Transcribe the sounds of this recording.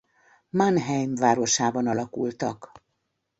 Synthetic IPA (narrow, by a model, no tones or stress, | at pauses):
manɦɛjmvaːɾo̞ʃaːbɒnɒlɒkult̪ɒk